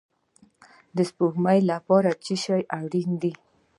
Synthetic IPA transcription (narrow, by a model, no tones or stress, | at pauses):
d̪əspuhmajlapɑɾat͡ʃiʃajawɽind̪i